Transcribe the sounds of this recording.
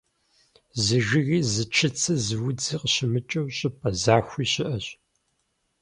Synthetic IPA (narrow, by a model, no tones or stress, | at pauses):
zɨʒɪɣiːzɨt͡ʃʰɐt͡sʰɐzɨwʊd͡ziqɕɪmɨt͡ʃʼɐwɕʼɪpʼɐzaːxʷiːɕɪʔɐɕ